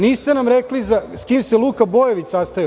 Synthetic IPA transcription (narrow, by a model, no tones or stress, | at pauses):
niːst̪e̞namɾeklizaskiːmselˠuːkabojeʋit͡ɕsast̪aji